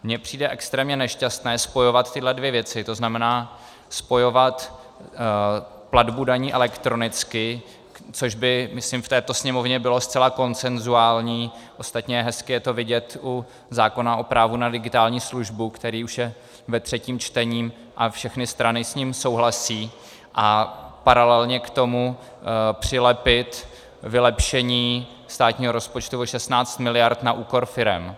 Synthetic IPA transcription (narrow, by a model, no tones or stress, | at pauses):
mɲɛpr̝̥iːdɛʔɛkst̪ɾɛːmɲɛnɛʃcast̪nɛːspo̞jo̞vat̪t̪ːɪdlɛdvjɛvjɛt͡sɪt̪o̞znamɛnaː | spo̞jo̞vat̪ | pladbudaɲiːʔɛlɛkt̪ɾo̞nɪt͡skɪ | t͡soʒbɪmɪslimft̪ɛːt̪o̞sɲɛmo̞vɲɛbɪlo̞st̪t͡sɛlako̞nt͡sɛnzuaːlɲiːʔo̞st̪at̪ɲɛjɛɦɛskɪjɛt̪o̞vɪɟɛt̪u | zaːko̞naʔo̞pɾaːvunadɪɡɪt̪aːlɲiːsluʒbukt̪ɛɾiːuʃjɛ | vɛt̪r̝̥ɛciːmt͡ʃt̪ɛɲiːm | ʔafʃɛxnɪst̪ɾanɪsɲiːmso̞wɦlasiː | ʔapaɾalɛlɲɛkt̪o̞mu | pr̝̥ɪlɛpɪt̪ | vɪlɛpʃɛɲiː | st̪aːt̪ɲiːɦo̞ɾo̞spot͡ʃt̪uvoʃɛst̪naːt͡st̪mɪlɪjaɾt̪naʔuːko̞ɾfɪɾɛ̰m